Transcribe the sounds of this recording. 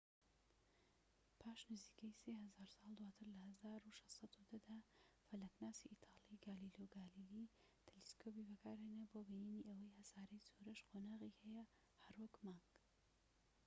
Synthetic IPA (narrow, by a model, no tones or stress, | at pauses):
pʰaːʃnɨziːkɐjseːhɐzaːɾsɑːlˠd̪waːt̪ʰɨɾlɐhɐzaːɾuʃɑssɑd̪ud̪ɐd̪afɐlɐknaːsiʔit̪ʰɑːliɡaːliloɡaːlili | t̪ʰɛleskʰopibɐkʰaːɾheːneboːbineniʔɐwɐjhɐsaːɾɐjzoɾɐʃqʰonaːʁihɛjɐ | hɐɾwɐkmaŋɡ